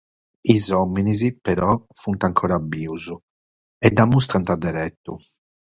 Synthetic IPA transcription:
izɔmːinizipɛɾɔfunt̪aŋkʰɔːɾabiːuzu | ɛd̪amus̬t̪ɾant̪ad̪ɛɾɛt̪ːṵ

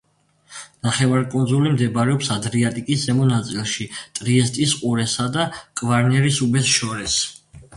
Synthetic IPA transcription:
naχɛvaɾkʼunzulimd̪ɛbaɾɛɔpsad̪ɾiat̪ʼikʼiszɛmɔnat̪sʼilˠʃit̪ʼɾiɛst̪ʼisqʼuɾɛsad̪akʼvaɾnɛɾisubɛsʃɔɾɛs

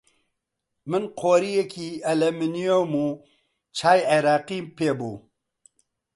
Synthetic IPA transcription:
mənqʰoːɾijekiɐlɐminijomu | t͡ʃʰaːjeɾaːqimpebo

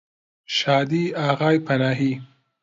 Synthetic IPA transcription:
ʃɑːd̪iaɣɑːjpʰanɑːɦi

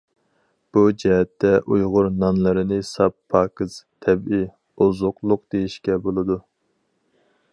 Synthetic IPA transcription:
b̥ud͡ʒɛɦɛt̪ʰːɛʔujʁʊɾnɑnlˠɨɾɨnɨsɑpʰːɑːkɨz̥t̪ʰɛbi | ozʊqlˠʊq̚d̪̥ejiʃkʲɛbolˠɨd̪u

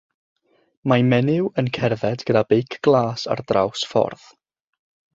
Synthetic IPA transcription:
mamɛnɪwənkʰɛrðɛdɡ̥ədabejkʰɡ̥lˠaːsa̰rdra̰wsfɔ̰rð̥

